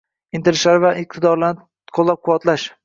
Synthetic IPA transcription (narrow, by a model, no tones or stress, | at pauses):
ɪnt̪ʰɪɾɪʃlaɾɪvaʔɪq̚t̪ʰɪd̪ɒɾla | qʰolˠːap̚qʰʊwɒt̪laʃ